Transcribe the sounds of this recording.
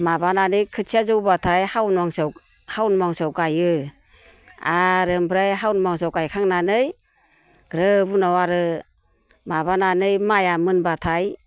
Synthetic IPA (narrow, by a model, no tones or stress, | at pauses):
mabananɯjkʰɯsʰiazɯwbatʰajhawnɔŋs | hawnmaŋsɔwkajɯ | aɾɯmpʰɾajɦawnmaŋs̬ɔwkajkʰaŋnanɯj | ɡ̥ɾɯbunɔwaɾɯ | maβananɯjmajamɯnbatʰaj